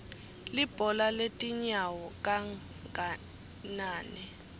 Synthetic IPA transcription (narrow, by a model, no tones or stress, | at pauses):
lib̥ʱɔlaletʼiɲawɔkʼa | a | naːnɛ